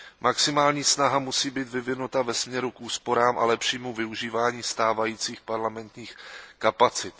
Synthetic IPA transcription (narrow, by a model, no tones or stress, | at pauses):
maksɪmaːlɲiːsnaɦamusiːbiːt̪vɪvɪnut̪avɛsmɲɛɾukʔuːspo̞ɾaːmʔa̰lɛpʃiːmuvɪuʒiːvaːɲiːst̪aːvajiːt͡siːxpaɾlamɛnt̪ɲiːxkapat͡sɪt̪